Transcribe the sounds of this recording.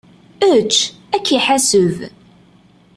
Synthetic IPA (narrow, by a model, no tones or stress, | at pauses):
ət͡ʃː | ækːiħasəv